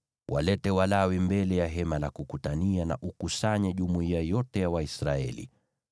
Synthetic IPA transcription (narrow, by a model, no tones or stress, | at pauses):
wʔa̰lɛtɛwalawimbɛlɛjaɦɛmalakukutaniana̰ʔukusaɲɛʄumuiajɔtɛjawaisɾaɛ̰lḭ